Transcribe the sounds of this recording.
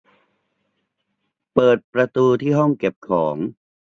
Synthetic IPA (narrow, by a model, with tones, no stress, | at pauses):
pɤː˨˩t̪̚pɾa˧t̪uː˧t̪ʰiː˥˩ɦɔ˥˩ŋke˨˩p̚kʰɔː˩˦ŋ